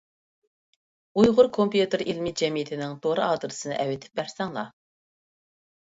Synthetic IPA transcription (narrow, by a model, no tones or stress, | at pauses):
ujʁʊɾkʰompjut̪ɨɾilmɪd͡ʒɛmijɪt̪ʰɪnɪŋt̪ʰoɾɨɑːd̪ɨɾɨsɨnɨ̰ʔɛwɪt̪ʰɪ̥p̚bæɾsɛŋlˠɑ̰